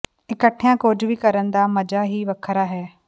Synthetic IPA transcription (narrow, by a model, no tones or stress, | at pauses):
ɪkəʈʰijãkoːd͡ʒbikɐɾənɪ̆d̪amɐd͡ʒaɦiʋɐkʰəɾaɦɛː